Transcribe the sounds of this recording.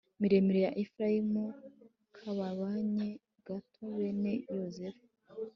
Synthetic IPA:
miɾe̞miɾejaʔefɾaimu | kʰaβaβaɲe | ɡ̥atʰoweːnejozef

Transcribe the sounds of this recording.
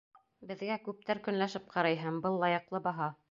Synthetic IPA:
bɘ̆ðɡækʉp̚t̪æɾkɵ̆nlæʃɘp̚qʰɑɾɑjɦɤɴbɤlˠːɑjɤ̆qlˠɤbɑɦɑ

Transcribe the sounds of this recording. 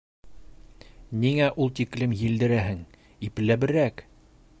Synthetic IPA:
niŋæʔulˠt̪iklɘmjild̪ɘ̆ɾæɦɘŋ | ip̆læbɘ̆ɾæk

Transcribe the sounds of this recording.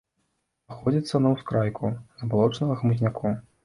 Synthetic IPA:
axɔd͡zʲit̪sːɐnɐwskɾajkʰuzɐbalˠɔt͡ʂnɐɣɐɣmuzʲnʲakʰu

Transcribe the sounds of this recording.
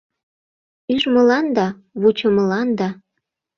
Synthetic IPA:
yʒmɤ̆lɑnd̪ɑ | βut͡ɕə̆mɤ̆lɑnd̪ɑ

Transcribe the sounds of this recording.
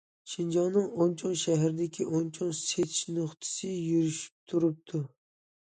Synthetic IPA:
ʃind͡ʒɑŋnɨŋont͡ʃʰoŋʃɛɦæɾɪd̪ɪkʲʰiʔont͡ʃʰoŋset̪ʰʃnoχt̪ʰɨ̥sɨjyɾyʃy̥p̚t̪ʰuɾup̚t̪ʰu

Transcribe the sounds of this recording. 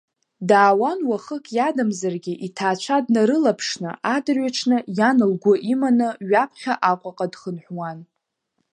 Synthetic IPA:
daːwanwaχəkʰʼjadamzarɡʲiʔitʰaːt͡ʃʷʰadnaɾɨlapʰʂnɨ̰ʔadɨrɥaʈ͡ʂʰnɨjanɨlɡʷʊʔimanɨɥapʰχʲaʔakʷʼaqʼadχənħʷwan

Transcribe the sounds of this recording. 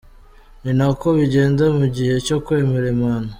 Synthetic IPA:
ninako̞βiɟe̞ːnzemuɟihe̞co̞kwe̞ːme̞ɾe̞mano

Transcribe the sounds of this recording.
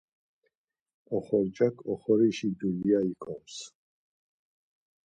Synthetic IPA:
ɔχɔɾd͡ʒakʰɔχɔɾiʃid̪uliaikʰɔms

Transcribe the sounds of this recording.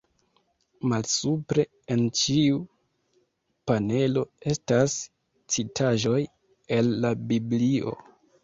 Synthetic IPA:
malsupɾe̞ | ent͡ʃiu | pane̞lo̞e̞stas | t͡sitʰaʒo̞j | e̞lːabiblio̞̰

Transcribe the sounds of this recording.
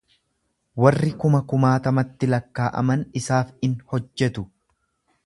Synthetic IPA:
wɐrːɪkʊmɐkʊmaːt̪ɐmɐt̪ːɪlɐkːaːʔɐ̰mɐnɪsaːfɪnhɔd͡ʒːɛt̪ʊ

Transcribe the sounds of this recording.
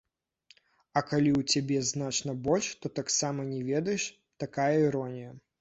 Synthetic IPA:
ɐkalʲiwt͡sʲabʲɛznat͡ʂnɐbɔlʲʂt̪ɔt̪aksamɐnʲɛvʲɛd̪ɐjɛʂ | t̪akajɐiɾɔnʲijɐ

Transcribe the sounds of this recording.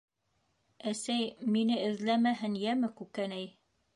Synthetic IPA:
æsæjminɘɘ̆ðlæmæɦɘnjæmɘkʉkænæj

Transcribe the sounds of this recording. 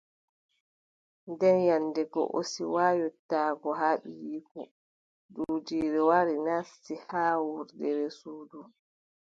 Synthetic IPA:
ndɛnjanːdɛɡɔ̰ʔo̰siwaːjɔtːaːɡɔɦaɗijiku | duːd͡ʒiːɾɛwaɾinasːihaːwuɾdɛɾɛsuːdu

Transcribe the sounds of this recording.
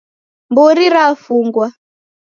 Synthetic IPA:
mbuɾiɾafuŋɡwa

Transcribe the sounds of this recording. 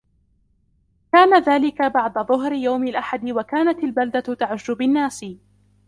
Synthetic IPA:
kaːnaðaːlɪkabɑʕd̪ɑðˤʊɦɾɪjawmɪlʔaħad̪ɪwakaːnat̪albald̪at̪aʕʊʒːʊbɪnːaːsɪ

